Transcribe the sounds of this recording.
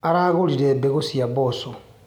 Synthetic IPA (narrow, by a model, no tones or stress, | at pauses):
aɾaɣoliɾebeɣosiaboso